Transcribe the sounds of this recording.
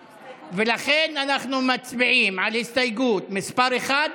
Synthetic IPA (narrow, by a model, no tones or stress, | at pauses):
velaxenʔanaχnumat̪biʕiːmʕalhɪst̪ajɡuːt̪mɪspaɾexad̪̚